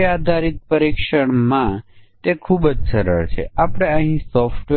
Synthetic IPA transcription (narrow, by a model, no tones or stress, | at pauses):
ead̪ʱaɾit̪̚pəɾikʃəɳmãt̪ekʰubəd͡ʒsəɾə̰ɾt͡ʃʰḛapɽ̃eəɦĩsɔfʈʋe